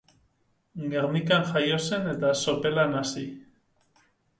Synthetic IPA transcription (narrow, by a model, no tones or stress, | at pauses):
ɡeɾnikanxajo̞se̞ne̞t̪aso̞pe̞lanasi